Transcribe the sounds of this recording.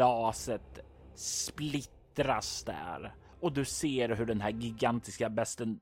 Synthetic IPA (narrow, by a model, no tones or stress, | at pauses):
ɑːsət̪ | splɪt̪ɾasd̪æ̰ɾ | ɔd̪ɵseːɾɦɵɖɛnɦæɾɡɪɡant̪ɪskabɛst̪ən